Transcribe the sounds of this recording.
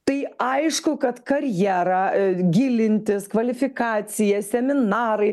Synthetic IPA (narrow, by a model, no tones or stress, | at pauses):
t̪ɐɪɐɪʃkʊkɐt̪kɐɾʲjæːɾɑɡʲɪlʲɪnʲt̪ʲɪskʋɐlʲɪfʲɪkɑːsʲɪjɛsʲɛmʲɪnɑːɾɐɪ